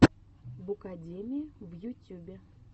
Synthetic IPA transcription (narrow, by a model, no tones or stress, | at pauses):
bʊkɐdʲemʲɪɪvjʊtʲːubʲɪ